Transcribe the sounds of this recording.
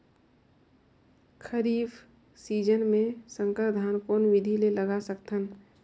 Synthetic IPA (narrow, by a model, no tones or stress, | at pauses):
kʰəɾiːb | siːd͡ʒənmẽsə̃ŋkəɾd̪ʱaːnkoːnʋɪd̪ʱileləɡasəkt̪ən